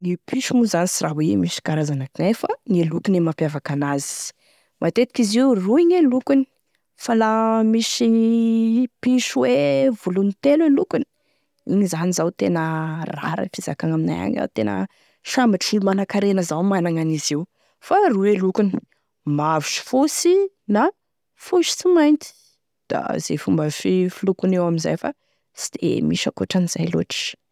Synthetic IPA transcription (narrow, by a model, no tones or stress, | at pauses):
nipiʃumuzanisiraɦwemiʃi̥kaɾazanakiŋajfaŋelukunemapjavakanazi̥ | mʔat̪et̪i̥kiziuruiɲelukuni̥ | falamisi | piʃuwevulunit̪elelukuni̥ | iɲizanizawt̪enəra̰ɾə̰fizakaŋamina̰ja̰ɲa̰t̪enə̰ | ʃambaʈ͡ʂilumanakaɾenəzawmanaŋaniziw | faɾiwelukuni̥ | mavusi̥fusi | na | fuʃi̥t͡simajnt̪i̥ | d̪̥a̰z̥ḛfumbəfifulukunewaminza̰jfa̰ | si̥d̪̥ḛmiʃakoʈ͡ʂaniz̥ajlo̰ʈ͡ʂ